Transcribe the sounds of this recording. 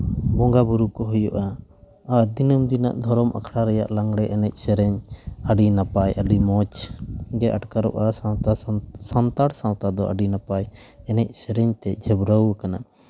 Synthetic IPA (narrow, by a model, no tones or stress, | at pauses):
bɔŋɡabuɾukɔɦɔjɔʔaː | d̪inəmd̪ina̰ʔd̪ʱɔɾɔma̰kʰɽaɾɛja̰ʔlaŋɡɽɛʔɛnɛc̚ˀsɛɾɛɲaɖinapajaɖimɔt͡ʃɡɛʔaʈkaɾɔ̰ʔasawt̪asant̪aɽsãwt̪ad̪ɔʔa̰ɖinapajɛnɛc̚ˀsɛɾɛɲt̪ɛd͡ʒʱɛbɾəwkana